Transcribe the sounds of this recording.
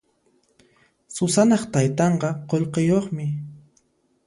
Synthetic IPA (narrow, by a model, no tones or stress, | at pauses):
sʊsanɑχt̪ajt̪ɑɴqɑqoʎqejoχmɪ